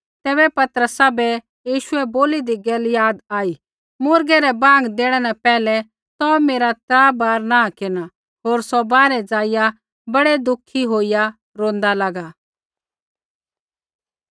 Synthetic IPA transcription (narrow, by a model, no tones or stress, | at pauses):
t̪ɛːbɛpɐt̪əɾəsabɛ | jiːʃʊɛboːlid̪iɡeːljaːd̪aːi | mʊːɾɡɛɾɛbãːŋɡd̪eːɽ̃ɛnɛ̃pɛːlɛ | t̪ɔmeːɾat̪ɾaːbaːɾnãːkɪna | ɦoːɾsɔbaːɾɛd͡zaːɪja | bɐɽed̪ʊkʰːiɦoːija | ɾõːnd̪alaɡa